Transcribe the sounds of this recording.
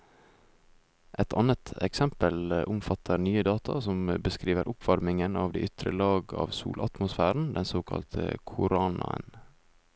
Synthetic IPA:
ʔɛt̪ʰɑnət̪ʰɛksɛmpəlʔʊmfɑt̪ʰəɾnyːəd̪ɑːt̪ʰɑsɔmbəskɾiːʋəɾʔʊpʋɑɾmɪŋənɑːʋd̪ɛ̰ːʔʏt̪ʰɾə̰lɑːɡɑ̰ːʋsṵːlʔɑt̪mʊsfæːɾn̩d̪ɛnsoːkʰɑ̰lt̪ʰəkʰʊɾɑːnɑə̰n

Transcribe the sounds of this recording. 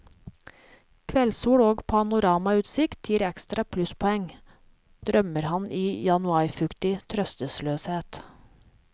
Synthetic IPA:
kʰʋɛlsuːɽoːɡpʰɑnʊɾɑːmɑʉːt̪sɪkt̪ʰjiːɾɛkst̪ɾɑpʰlʉspʰɔɛŋ | d̪̥ɾœməɾhɑnʔiːjɑnʉɑɾfʉkt̪ɪt̪ʰɾœst̪əsløːsheːt̪

